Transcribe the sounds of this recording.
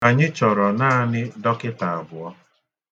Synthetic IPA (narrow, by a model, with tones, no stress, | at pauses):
a˨ɲɪ˦t͡ʃɔ˨ɾɔ˨naː˦a˦nɪ˦dɔ˦kɪ˦ta˨a˨bʊ˨ɔ˦